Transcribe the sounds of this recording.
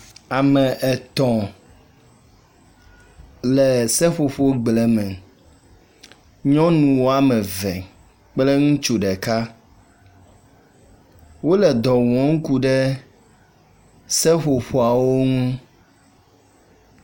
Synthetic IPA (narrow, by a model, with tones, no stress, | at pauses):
a˨mɛ̃˨ʔɛ˨t̪ɔ̃˨ | lɛ˨sɛ˦ɸo˨ɸo˦ɡ͡blɛ˨mɛ̃˨ | ɲɔ̃˦nũ˨wo˦a˦mɛ̃˨vɛ̃˨ | k͡plɛ˦ŋũ˦t͡ʃu˨ɖɛ˨ka˦ | wo˦lɛ˨d̪ɔ˨wɔ̃˨˦ŋ̩˦ku˦ɖɛ˦ | sɛ˦ɸo˨ɸo˦a˨wo˦ŋũ˦